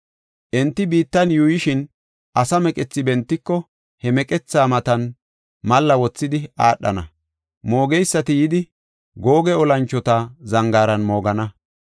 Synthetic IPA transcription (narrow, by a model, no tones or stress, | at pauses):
ʔɛnt̪ːɪbiːt̪ːɐnjujɪʃɪn | ʔɐsɐmɛkʼɛt͡sːɪbɛnt̪ːɪkːɔ | hɛmɛkʼɛt͡sːaːmɐt̪ɐn | mɐlːɐwɔt͡sːɪd̪ɪaːɗːɐ̰nɐ̰ | mo̞ːɡɛjsːɐt̪ɪjɪd̪ɪ | ɡo̞ːɡɛɔlɐnt͡ʃːɔt̪azɐŋɡaːɾɐnmo̞ːɡɐnɐ